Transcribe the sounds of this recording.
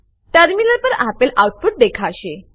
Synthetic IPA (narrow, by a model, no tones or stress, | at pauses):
ʈəɾminəɾpəɾapelʔawʈ̚puʈ̚d̪ekʰaɕe